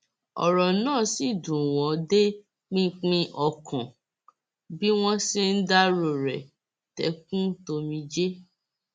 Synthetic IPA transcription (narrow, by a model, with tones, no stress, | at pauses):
ɔ̰˨ɾɔ˨nãː˦˨si˦˨dũ˨w̃ɔ̃˨˦de˦ | k͡pĩ˦k͡pĩ˧ʔɔ˨kʰɔ̃˨ | bi˦w̃ɔ̃˦si˦n̩˦da˦ɾo˨ɾɛ̰˨ | tɛ̰˨˦k̚ũ˦to˧mĩ˧d͡ʒe˦